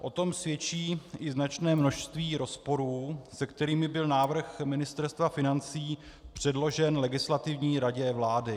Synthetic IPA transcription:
ʔo̞t̪o̞msvjɛt͡ʃiːʔɪznat͡ʃnɛːmno̞ʃst̪viːɾo̞spo̞ɾuːsɛkt̪ɛɾiːmɪbɪlnaːvr̩xmɪnɪst̪ɛɾst̪vafɪnant͡siː | pr̝̥ɛdlo̞ʒɛnlɛɡɪslat̪ɪvɲiːɾaɟɛvlaːdɪ

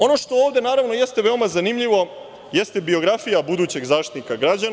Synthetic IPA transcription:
o̞no̞ʃt̪o̞oːʋd̪e̞naːɾaʋno̞je̞st̪eʋeo̞mazanimʎiʋo̞ | je̞st̪ebio̞ɡɾafijabud̪uːt͡ɕe̞ɡzaːʃt̪it̪nikaɡɾad͡ʑan

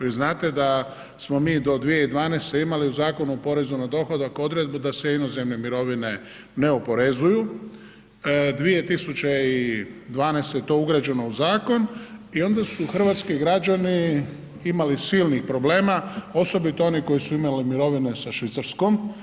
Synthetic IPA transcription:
ʋiznaːt̪e̞d̪a | smo̞miːd̪o̞d̪ʋije̞id̪ʋaːnest̪eimaliuzaːko̞nuopo̞ɾe̞zunad̪o̞xod̪akod̪ɾe̞d̪̚bud̪aseino̞ze̞mnemiɾo̞ʋine̞ | ne̞opo̞ɾezuju | d̪ʋije̞t̪isut͡ɕeid̪ʋaːnest̪ejet̪o̞ːuɡɾad͡ʑe̞no̞uzaːko̞nio̞nd̪asuxr̩ʋaːt̪skiɡɾad͡ʑani | imalisilnixpɾo̞ble̞ːmao̞so̞bit̪o̞o̞niko̞jisuimalimiɾo̞ʋinesaʃʋit̪saɾsko̞m

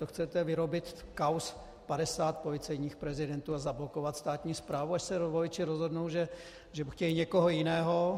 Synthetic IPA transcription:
oxt͡sɛt̪ɛvɪɾo̞bɪt̪kaws | padɛsaːt̪̚po̞lɪt͡sɛjɲiːxpɾɛzɪdɛnt̪uːazablo̞kovat̪st̪aːt̪ɲiːspɾaːvuaʃsɛɾovojɪt͡ʃɪɾozɦo̞dnowʒɛ | ʒɛxcɛlɪɲɛkoɦojɪnɛːɦo

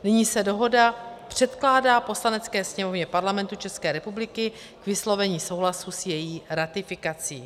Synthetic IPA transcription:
nɪɲiːsɛdo̞ɦo̞dapr̝̥ɛt̪klaːdaːpo̞slanɛt͡skɛːsɲɛmo̞vɲɛpaɾlamɛnt̪ut͡ʃɛskɛːɾɛpublɪkɪ | kvɪslo̞vɛɲiːso̞wɦlasusjɛjiːɾat̪ɪfɪkat͡siː

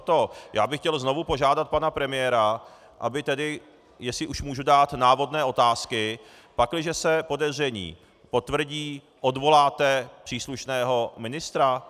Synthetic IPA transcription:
t̪oja̰ːbɪxcɛlzno̞vupo̞ʒaːdat̪̚panapɾɛmɪjɛɾa | ʔa̰bɪt̪ɛdɪ | jɛsɪʔuʃmuːʒudaːt̪naːvo̞dnɛːʔo̞t̪aːskɪ | paklɪʒɛsɛpo̞dɛzr̝ɛɲḭː | po̞t̪vr̩ɟiː | ʔo̞dvo̞laːt̪ɛpr̥iːsluʃnɛːɦo̞mɪnɪst̪ɾa

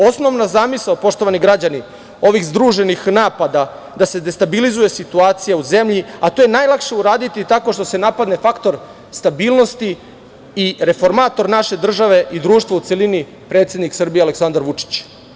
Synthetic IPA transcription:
o̞sno̞ʋnazaːmislaopo̞ʂt̪o̞ʋaniɡɾad͡ʑani | o̞ʋixzd̪ɾuːʒe̞nixnaːpad̪a | d̪ase̞d̪e̞st̪abilizuje̞sit̪uaːt̪sijauze̞mʎiat̪ojenaːjlˠakʃe̞uɾaːd̪it̪it̪ako̞ʃt̪o̞se̞napad̪ne̞fakt̪o̞ɾ | st̪abiːlˠno̞st̪i | iɾe̞fo̞ɾmaːt̪o̞ɾnaʃe̞d̪r̩ʒaʋe̞ʔid̪ɾuːʃt̪ʋaut̪elini | pɾet̪se̞d̪niksr̩bijealeksand̪aɾʋut͡ʂi̥t͡ɕ

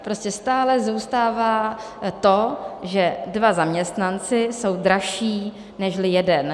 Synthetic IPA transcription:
pɾoscɛst̪aːlɛzuːst̪aːvaː | t̪o̞ʒɛdvazamɲɛst̪nant͡sɪso̞wdɾaʃiː | nɛʃlɪjɛdɛn

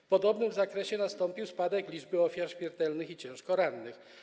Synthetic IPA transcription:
pɔd̪ɔbnɘmzakɾɛɕɛnast̪ɔmpʲiwspad̪ɛklʲid͡ʐbɘɔfʲjaɾɕmʲɛɾt̪ɛlnɘxit͡ɕɛ̃w̃ʂkɔɾanːɘx

